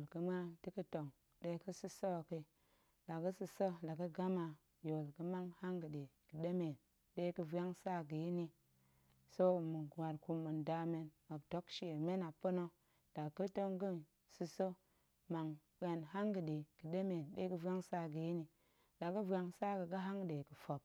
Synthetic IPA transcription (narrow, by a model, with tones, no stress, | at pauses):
lkə˦m˦a˦ti˦kə˦to˨ŋ | ɗe˦kə˦si˦so˦˨kə˦ | la˨ɡə˦si˨so˦la˨ɡə˦ɡa˦ma˨ | jo˨lkə˦ma˦ŋha˦ŋɡə˨ɗe˨kə˨ɗe˦me˨n | ɗe˦kə˦va˦ŋsa˦ɡə˨ji˦ni˦ | so˦˨mə˨nɡʷa˨ɾku˨mːə˨nda˨me˦n | a˨to˦kʃi˦e˨me˦na˨po˦no˦ | d̥a˨kə˦lto˦ŋɡə˦n | si˦so˦ | ma˨ŋɓʷe˨nɦa˦ŋɡə˨ɗi˨kə˨ɗe˦me˨nɗe˦kə˦va˦ŋsa˦ɡə˨ji˦ni˨ | la˨ɡə˦va˨ŋsa˦ɡə˨ɡə˦ɦa˦ŋ˨de˨kə˨fo˨p̚